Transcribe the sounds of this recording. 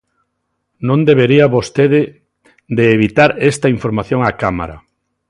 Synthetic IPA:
nõnd̪eβeɾiaβost̪eðɪ | d̪eːβit̪aɾɛst̪ɐiɱfoɾmaθjõŋakama̰ɾa̰

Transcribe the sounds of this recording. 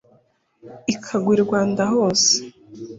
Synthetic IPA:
ikʰaɡwiɾɾɡwaːndaɦo̞ːse̥

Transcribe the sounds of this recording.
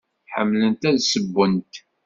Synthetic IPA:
ħəmːlənt̪æðsəbːənt̪

